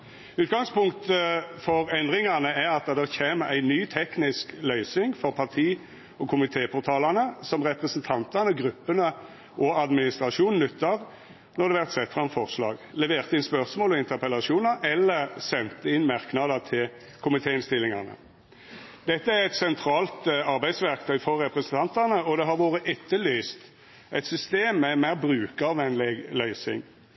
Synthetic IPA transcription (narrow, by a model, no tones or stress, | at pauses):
ʉːt̪̚ɡɑŋspʊŋkt̪əfɔɾɛnd̪ʁɪŋɑnəæɾɑt̪̚d̪ɑd̪ɛʁçeːməɾæɪnyːt̪ʰɛknɪsklœʏsɪŋfɔʁpʰɑʁt̪ʰiː | ɔkʰʊmɪt̪ʰeːpʰɔɾt̪ʰɑːlɑnəsɔmʁɛpʁɛsnt̪ʰɑnt̪ɑnəɔɡɾʉpːənə | ʔɔɑd̪mɪnɪst̪ʁɑʂuːnn̩ʉt̪ːɑɾ | nɔʁd̪ɛʋæʁt̪sɛt̪ːfʁɑmfɔʁslɑ̰ːɡlɛʋeːʁt̪əɪnspœʁsmoːlɔɪnt̪əʁpəlɑʂuːnəɾʔɛlːəʁsɛnt̪əɪnmɑʁknɑd̪ət̪ʰɪl | kʰʊmɪt̪ʰeːɪnst̪ɪlːɪŋɑʁnə̰ | d̪̥ɛt̪ːəæɾɛt̪sɛnt̪ʰɾɑːlt̪ɑɾbæɪd̪sʋæʁkt̪ʰœʏfɔɾːɛpɾɛsnt̪ʰɑnt̪əʁnəɔd̪ɛɦɑɾʋoːʁəʔɛt̪ːəlyːst̪ | ʔæɪt̪sʏst̪eːmːɛmæɪʁbɾʉːkɑʋʋɛnlɪɡlœʏsɪ̰ŋ